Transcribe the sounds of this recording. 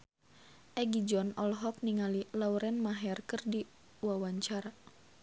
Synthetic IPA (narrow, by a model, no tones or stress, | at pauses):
ʔɛɡid͡ʒɔnɔlɦɔk̚niŋalilauɾɛnmaɦɛrkɨrdi | wawaɲt͡ʃaɾa